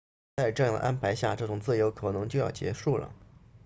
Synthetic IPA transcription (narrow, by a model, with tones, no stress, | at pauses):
t͡sa˥˧ɪʈ͡ʂɤ˥˧jɑ˥˩d̪ə˩ʔa˥npʰa˧˥ɪɕja̰˥˧ʈ͡ʂɤ˥˩ʈ͡ʂʊ˨˩ŋt͡sɹ̩˥˩jo˧˥ʊkʰɤ˨˩nɤ˧˥ŋt͡ɕjo˥˧ʊjɑ̰˥˩ʊt͡ɕjɛ̰˧˥ʂu˥˩lə̰˩